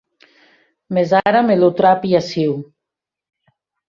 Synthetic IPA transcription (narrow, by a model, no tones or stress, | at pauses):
mezaɾamelut̪ɾapiasiw